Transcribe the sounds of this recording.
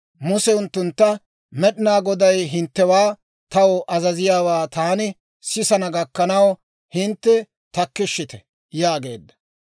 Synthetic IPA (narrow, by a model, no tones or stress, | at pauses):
mʊsɛʊnt̪ːʊnt̪ːɐ | mɛɗɪnaːɡɔd̪ɐjɦɪnt̪ːɛwaː | t̪ɐwɔʔɐzɐzɪjaːwaːt̪aːnɪ | sɪsɐnɐɡɐkːɐnɐw | hɪnt̪ːɛ | t̪ɐkːɪʃːɪt̪ɛ̥ | jaːɡe̞̰ːd̪ːɐ̥